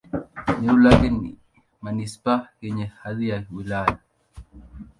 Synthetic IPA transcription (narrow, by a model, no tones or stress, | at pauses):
ɲiulaɡinḭ | manispakeɲehaðijawilala